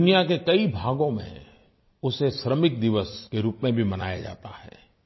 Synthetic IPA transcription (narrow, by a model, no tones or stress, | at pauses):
ʊnijakekɐibʱaːɡõmḛ̃ | ʊseʃɾəmɪk̚d̪ɪʋəskeɾuːpmẽbʱimɐna̰ːja̰d͡ʒa̰ːt̪ahɛ̰ː